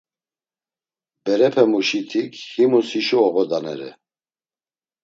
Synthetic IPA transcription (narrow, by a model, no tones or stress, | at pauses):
bɛɾɛpʰɛmuʃit̪ʰikʰhimusiʃuɔɣɔd̪anɛ̰ɾɛ̰